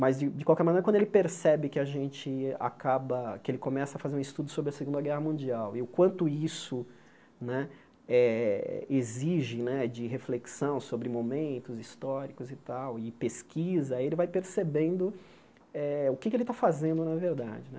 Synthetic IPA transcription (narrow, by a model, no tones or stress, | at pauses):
mɐzd͡ʒɪd͡ʒɪkwawkɛɾmɐ̃neɾɐkwɐ̃d̪elɪpeɾsɛbɪkɪaʒẽt͡ʃɪa̰kabɐkɪelɪkomɛsɐfazeɾũist̪ud̪ʊsobɾɪɐseɡũnd̪ɐɡɛhɐmũd͡ʒiawɪʊkwɐ̃nt̪ʊisʊ | nɛ | ɛ̰ | eziʒɪnɛd͡ʒɪɦefleksɐ̃w̃sobɾɪmomẽnt̪ʊzist̪ɔɾikʊzɪt̪awɪpeskʰizɐaielɪvajpeɾsebẽnd̪ʊ | ɛʊkɪkɪelɪt̪afazẽnd̪ʊnɐveɾd̪a̰d͡ʒɪnɛ̰